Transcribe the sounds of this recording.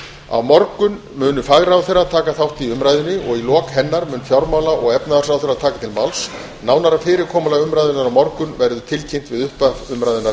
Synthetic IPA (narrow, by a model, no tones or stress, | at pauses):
a̰wmɔɾkʏn | mʏːnʏfaɣɾaawθejɾːaðt̪ʰaːkaθawht̪iʏmɾajðʏnːɪʔɔɣilɔːkhɛnːaɾmʏːnfjawɾmawlaʔɔɣɛpnaðasawθɛjrat̪ʰaːkat̪ʰɪlmals | nawnaɾafɪːɾɪɾkʰɔːmalaʏmɾajðʏnaɾawmɔɾkʏnvɛɾðʏt̪ʰɪlcʰejm̥t̪vɪðʏhpaʏmɾajðʏnaɾ